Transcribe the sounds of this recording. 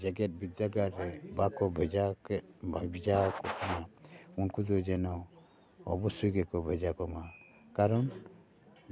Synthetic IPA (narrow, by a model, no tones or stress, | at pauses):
d͡ʒaɡɛt̚bid͡ʒaɡaɾɛbakɔbʱɛd͡ʒakbabid͡ʒakɔkʰɔmaunkudɔd͡ʒɛnɔ | ɔ̰bɔsuɡɛkɔbʱəd͡ʒakɔma | kaɾɔn